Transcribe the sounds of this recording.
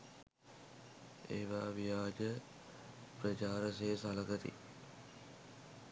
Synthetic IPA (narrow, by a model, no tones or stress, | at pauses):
ḛːʋaːʋijaːd͡ʒə | prət͡ʃaːɾəseːsaləɡət̪ḭ